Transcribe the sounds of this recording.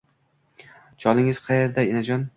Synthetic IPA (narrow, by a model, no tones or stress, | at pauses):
d͡ʒɒlɪŋɪz̥qʰɑje̞ɾd̪aenad͡ʒɒn